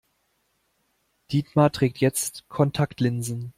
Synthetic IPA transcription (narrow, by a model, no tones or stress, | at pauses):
d̥iːtmatʁ̥ɛːk̚tjɛt͡stkʰɔntʰaktʰlɪnzn̩